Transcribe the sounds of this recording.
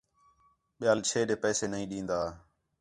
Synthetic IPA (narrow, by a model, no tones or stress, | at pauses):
ɓɪjaːlt͡ʃʰeːɗeːpɛːseːnəĩːɗĩːnd̪aː